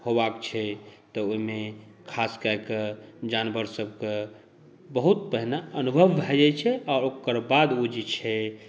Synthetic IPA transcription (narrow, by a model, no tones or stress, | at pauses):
hobakt͡ʃʰɛt̪ɔoime | kʰaskaked͡ʒanbəɾsəb̚ke | bəɦut̪̚pəɦnaənubʱəʋbʱad͡ʒɛt͡ʃʰɛɔːɾokəɾbad̪ud͡ʒit͡ʃʰɛ